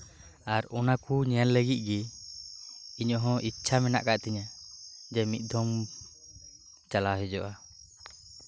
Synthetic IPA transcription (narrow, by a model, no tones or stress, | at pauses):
aɾɔnakuɲɛanləɡit̪̚ˀɡɛ | iɲɔɦɔ̃ʔitːt͡ʃʰamɛna̰ʔkaʔt̪ɛɲad͡ʒɛmit̪̚ˀd̪ʱɔm | t͡ʃalaɦɛd͡ʒɔʔa